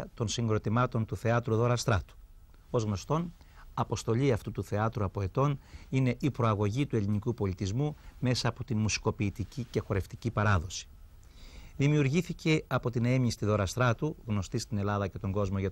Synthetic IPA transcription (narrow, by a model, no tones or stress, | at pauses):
t̪o̞nsiŋɡɾo̞t̪imɐt̪o̞nt̪uθe̞ɐt̪ɾuðo̞ɾɐst̪ɾɐt̪u̥ | o̞zɣno̞st̪o̞n | ɐpo̞st̪o̞ʎiɐft̪ut̪uθe̞ɐt̪ɾuɐpo̞e̞t̪o̞nine̞ʔipɾo̞ɐɣo̞ʝit̪ue̞linikupo̞lit̪izmume̞sɐːpo̞t̪inmusi̥ko̞piːt̪icice̞xo̞ɾe̞ft̪icipɐɾɐðo̞si̥ | ðimiuɾʝiθice̞ɐpo̞t̪ine̞mist̪iðo̞ɾɐst̪ɾɐt̪uɣno̞st̪ist̪ine̞lɐðɐce̞t̪o̞ŋɡo̞zmo̞ʝɐ